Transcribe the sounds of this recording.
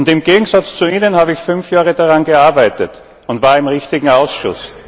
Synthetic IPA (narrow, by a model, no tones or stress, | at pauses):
ʊntɪmɡ̥eːɡŋ̩zat͡st͡suiːnənhaːbəɪçfʏnfjaːʁədaʁanɡəaɐbæɪtət | ʊntv̥aːɐɪmʁɪçtɪɡŋ̩aʊsʃʊ̰s